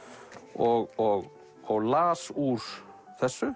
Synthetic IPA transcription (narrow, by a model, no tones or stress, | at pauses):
ɔɣɔɣ | ɔɣlaːsuɾ̥ | θɛsːʏ